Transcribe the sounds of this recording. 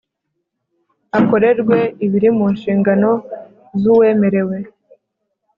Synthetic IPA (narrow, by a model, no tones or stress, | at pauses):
ako̞ɾe̞ɾɡwe̞iβiɾimunʃiːŋɡano̞ | zuwe̞ːme̞ɾe̞we̞